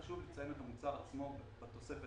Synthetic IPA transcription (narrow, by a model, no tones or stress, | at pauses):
ʃuvlet͡sajemet̪amut͡saat͡smobbat̪osefe